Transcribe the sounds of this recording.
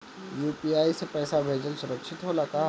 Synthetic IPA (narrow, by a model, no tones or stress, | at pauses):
juːpiːaːisepɛːsabʱeːd͡ʒəlsʊɾəkʃʰɪt̪ɦoːlaka